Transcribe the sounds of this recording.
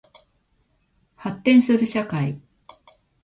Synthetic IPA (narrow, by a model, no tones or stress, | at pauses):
hat̪ːẽ̞ɰ̃sɨɾɯ̟ɕakai